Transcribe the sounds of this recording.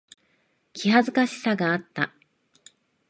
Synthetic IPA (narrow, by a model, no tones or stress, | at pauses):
kʲiɦazɨkaɕi̥saɡaːt̪ːa